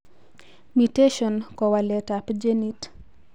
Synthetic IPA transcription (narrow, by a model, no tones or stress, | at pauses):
miteʃɔnkɔwalɛtapd͡ʒɛnit